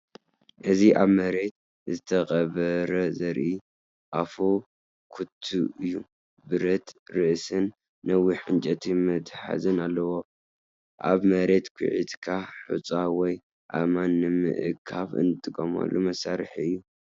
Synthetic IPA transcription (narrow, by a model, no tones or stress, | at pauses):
ʔɨziʔaβmɐɾe̞t̪̚ | zɨt̪ʰɐxʼɐβɐɾɐzɐɾʔi | ʔafo | kʰut̪ʰːuʔɨjːu | bɨɾɐt̪ɾɨʔsɨnː | ɐwiħɨnt͡ʃʼɐt̪ʰimɨd̪ħa̰zɨnalːɐwo | ʔa̰βmɐɾe̞t̪kʰṵʕḭt̪kʰaħut͡sʼawɔj | ʔa̰manːɨmɨ̰ʔɨkʰːaβɨ̰nɨt̪ʼɨkʼːɐmɐ̰lːumɐsaɾħiɨjːu